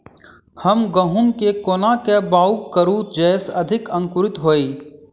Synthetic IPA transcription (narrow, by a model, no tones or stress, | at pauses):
həmɡɐɦʊnkekoːnakebaːʊkkəɾud͡ʒɛːsɐd̪ʱɪkɐ̃ŋkʊɾɪt̪ɦoːiː